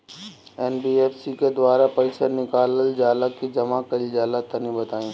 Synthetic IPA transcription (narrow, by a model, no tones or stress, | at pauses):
ɛːnbiːeːfsiked̪waːɾapɐɪsənɪkaːləld͡ʒaːlakid͡ʒɐmakɐid͡ʒaːlat̪ɐnibɐt̪aːĩː